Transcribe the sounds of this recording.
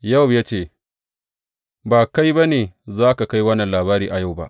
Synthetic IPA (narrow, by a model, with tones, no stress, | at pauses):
ja˦˨wjaː˦t͡ʃeː˦˨ | baː˨ka˦jba˦neː˨zaː˦ka˨ka˦jwɐ˦nːɐ˨laː˨βaː˦ɾiː˨ʔa˨ja˦˨wba̰˦ʔ